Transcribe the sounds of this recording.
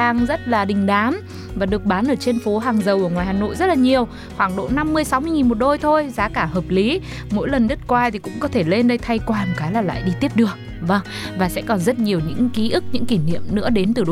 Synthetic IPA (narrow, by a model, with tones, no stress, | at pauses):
aː˨˩ŋzə˦˥t̚laː˨˩ɗï˨˩ŋ̟ɗaː˨˦m | vaː˨˩ɗɨ˨˩ək̚ɓaː˨˦nʔəː˧˩t͡ɕe˧nfo˨˦ɦaː˨˩ŋzə˨˩wʔu˧˩ŋwaː˨˩jhaː˨˩no̰˧˨jzə˦˥t̚laː˨˩ɲi˨˩əw | xwaː˧˩ŋɗo̰˧˥na˧mːɨ˧əjsa˨˦wmɨ˧jŋi˨˩nmo˨˩t̚ɗo˧jt̪ʰo˧jzaː˨˦kaː˧˩həː˨˩p̚li˨˦ | mo̰˧˥jlə˨˩nɗə˦˥t̚kwaː˧t̪ʰi˨˩kʊ̰˧˥ŋ͡mkɔ˨˦t̪ʰe˧˩le˧nɗə˧jt̪ʰa˧jkwaː˨˩nkaː˨˦jlaː˨˩la̰ː˧˨jɗi˧t̪i˦˥əp̚ɗɨ˨˩ək̚ | və˧ŋ | vaː˨˩sɛ̰˧˥kɔ˨˩nzə˦˥t̚ɲi˨˩əwɲɨ̰˧˥ŋki˨˦ʔɨ˦˥k̚ɲɨ̰˧˥ŋki˧˩nḭ˧˨əmnɨ̰˧˥əɗe˨˦nt̪ɨ˨˩ɗ